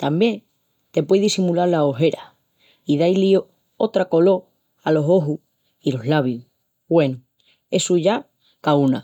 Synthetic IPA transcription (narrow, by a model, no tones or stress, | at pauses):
t̪ambje̞ŋ | t̪e̞pwejðisimulaɾlaoɦe̞ɾa | iðajlio | ot̪ɾako̞lo̞ | alo̞so̞ɦu | ilo̞ɦlaβju | bwe̞nu | e̞suʝa | kauna